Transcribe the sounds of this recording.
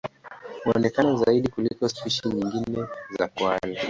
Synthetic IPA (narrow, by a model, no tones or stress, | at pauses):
huɔ̰nɛkanɔzaiɗikulikɔspiʃiɲiŋɡinɛza̰kwali